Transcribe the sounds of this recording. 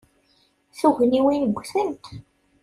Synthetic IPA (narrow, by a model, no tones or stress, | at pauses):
θuʝəniwinəɡʷːθənt̪